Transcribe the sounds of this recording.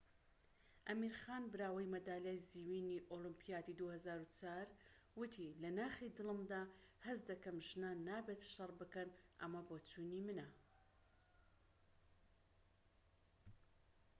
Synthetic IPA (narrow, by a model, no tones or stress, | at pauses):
ʔɐmiːɾxaːnbɨɾaːwɐjmɐd̪aːljajziwiːniʔoːlɨmpʰijaːt̪id̪uhɐzaːɾut͡saːɾ | wɨt̪ʰilɐnaːxid̪ɨlɨmd̪aːhɐsd̪ɐkɐmʒɨnaːnːaːbet̪ʃɐrˤbɨkɐnʔɐ̰mɐboːt͡sunimɨnɐ